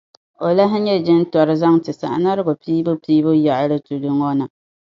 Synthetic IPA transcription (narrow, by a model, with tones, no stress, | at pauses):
o˨la˦ɦɪ˦ɲɛ˦d͡ʒɪ˦n˦tɔ˨ɾɨ˦za˦ŋtɨ˨sa̰˨ʔna˦ɾɨ˦ɡʊ˨piː˦bʊ˦piː˦bʊ˦ja˨ʔɾɨ˦tu˨lʊ˦ŋɔ˦nɨ˨